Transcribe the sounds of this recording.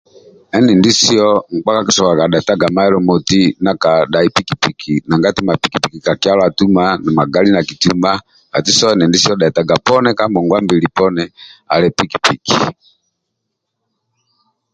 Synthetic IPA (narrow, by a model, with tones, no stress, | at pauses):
ɛ˦nɛ˨ndi˦si˦ɔ˦ŋ̩˨k͡pa˦ka˦ki˨sɔ˨ka˨ka˨ɗa˨ɛ˨ta˦ɡa˨ma˦ɛ˦lɔ˨mɔ˨ti˦na˨ka˨ɗa˨i˦pi˦ki˨pi˨kʰi˨na˨ŋɡa˦ti˦ma˨pi˨ki˨pi˨ki˨ka˨ki˦a˦la˨tu˦ma˦na˨ma˨ɡa˦li˦na˨ki˨tuma˦ | ka˨ti˦sɔ˦ɛ˦nɛ˨ndi˦si˦ɔ˦ɗa˨ta˨ɡa˨pɔ˦nɛ˦ka˦mbɔ˨ŋɡwa˦mbi˨li˨pɔ˦nɛ˦a̰˨lɛ˨pi˦ki̥˨pi˨kʰi˨